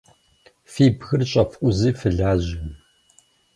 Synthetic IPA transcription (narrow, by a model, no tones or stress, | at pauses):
fiːbxɨrɕʼɐfkʷʼʊziːfɨɮaːʑɪ